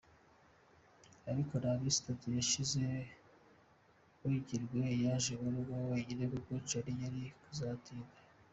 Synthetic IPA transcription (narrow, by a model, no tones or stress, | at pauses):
aɾiko̞ɾaβisi̥tatujaʃize̞ | wiɟiɾɡwejaʒeβaɾuɡawaɡiɾeβuɡot͡ʃaɾijaɾikuzatʰiːɡa